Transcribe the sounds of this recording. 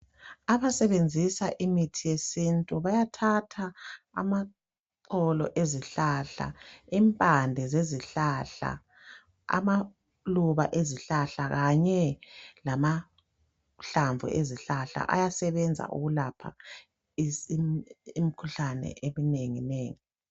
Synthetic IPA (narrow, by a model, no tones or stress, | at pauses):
aβasɛβend͡zʱisaʔimitʰijesintʼuβajatʰatʰa | a̰ma | ǀʰɔlɔʔeziɬaɬa̰impʼandʱɛzeziɬaɬa̰ | a̰ma | luβa̰ʔeziɬaɬaɣaɲɛlama | ɬaɱvʱṵʔeziɬaɬa̰ʔa̰jasɛβɛnd͡zʱa̰ʔṵɣulapʰa̰ | imikʰuɬanɛ̰ʔemineŋineːŋi